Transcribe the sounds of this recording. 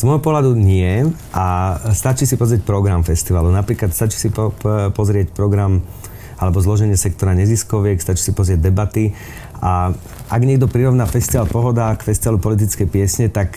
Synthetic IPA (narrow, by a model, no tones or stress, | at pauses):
z̥mɔjɦɔpɔɦlad̪uɲɪɪɛ | ʔast̪at͡ʃisipɔzɾɪɛc̚pɾɔɡɾamfɛst̪iʋalunapɾiːklat̪st̪at͡ʃi̥sipɔzɾɪɛcpɾɔɡɾam | ʔalɛbɔzlɔʒɛɲɪɛsɛkt̪ɔɾaɲɛziskɔʋɪɛkst̪at͡ʃi̥sipɔzɾɪɛɟ̚d̪ɛbat̪i | a | ʔaɡɲɪɛɡd̪ɔpɾiɾɔʋnafɛst̪iʋalpɔɦɔd̪akfɛst̪iʋalupɔlit̪̬it͡skɛjpɪɛsɲɛt̪ak